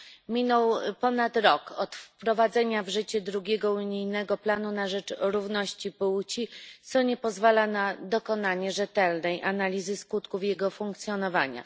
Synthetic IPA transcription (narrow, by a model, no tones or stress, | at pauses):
mʲinɔwpɔnat̪ɾɔkɔt̪fpɾɔvad̪zɛɲavʐɘt͡ɕɛd̪ɾuɡʲeɛɡɔuɲijnɛɡɔplanunaʐɛt͡ʂɾuvnɔɕt͡ɕipuwt͡ɕit̪sɔɲɛpɔzvalanad̪ɔkɔnaɲɛʐɛt̪ɛlnɛjʔanalʲizɘskut̪kufjɛɡɔfuŋkt̪sʲjɔnɔvaɲa̰